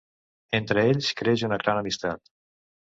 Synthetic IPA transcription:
ent̪ɾəeʎskɾeʒunəkɾanəmist̪at̪

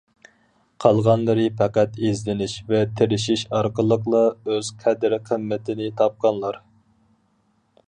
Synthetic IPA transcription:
qʰɑlˠʁɑnlˠɨɾɨpʰæqæt̪ezlɪnɪʃvɛt̪ʰɪɾɪʃiʃɑɾqəlˠəqlˠɑøz̥qʰɛd̪ɾqʰəmːɪt̪ʰɪnɪt̪ʰɑp̚qʰɑnlˠɑɾ

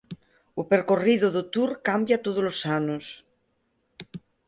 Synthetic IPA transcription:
upeɾkoriðoðot̪uɾkambjat̪oðolosanos

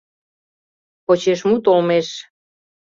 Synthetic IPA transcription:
pot͡ɕeʃmut̪olmeʃ

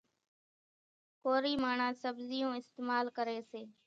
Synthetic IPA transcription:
koːɾiːmaːɳãːsəbzɪjõːɪst̪eːmaːlkəɾeːseː

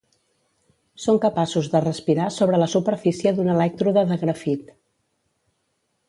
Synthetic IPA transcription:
soŋkəpasuzðərəspiɾasoβ̞ɾələsupəɾfisiəðunəlɛk̚t̪ɾuðəðəɣɾəfit̪

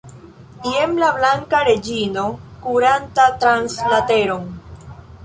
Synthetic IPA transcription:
iemlablaŋkaɾe̞d͡ʒino̞kuɾantat̪ɾanslateɾoŋ

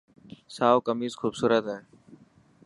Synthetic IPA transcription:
saːokəmiːzxuːbsuːɾət̪ɦɛː

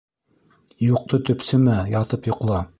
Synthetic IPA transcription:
juq̚t̪ɤt̪ɵ̆psɘmæjɑt̪ɤpjŏqlˠɑ

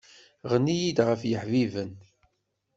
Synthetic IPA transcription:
ʁnijid̪ʁəfjəħvivən

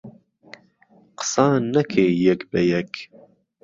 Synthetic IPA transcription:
qə̥sɑːnnːɛkʰeːjɛkbɛjɛk

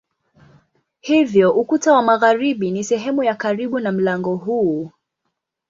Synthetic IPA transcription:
hivjɔʔukutawamaɣaɾiɓinisɛɦɛmujakaɾiɓunam̩laŋɡɔɦuː

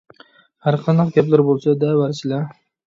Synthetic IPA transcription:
haɾqʰɑnɨqɡʲaplaɾbolˠsad̪avaɾt͡ʃʰɪlaɾ

